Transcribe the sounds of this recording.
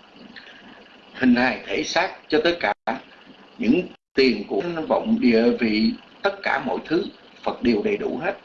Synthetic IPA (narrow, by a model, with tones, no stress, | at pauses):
hï˨˩ŋ̟haː˨˩jt̪ʰe˧˩˦saː˦˥t̚t͡ɕɔ˧t̪ə˦˥t̚kaː˧˩ | ɲɨ̰˧˥ŋt̪i˨˩ənku˧˩ənvə̰˧˨wŋ͡mɗḭ˧˨əvi˨˩t̪ə˦˥t̚kaː˧˩mo̰˧˨jt̪ʰɨ˨˦ | fə˨˩t̚ɗe˨˩wɗə˨˩jɗu˧˩ha˦˥t̚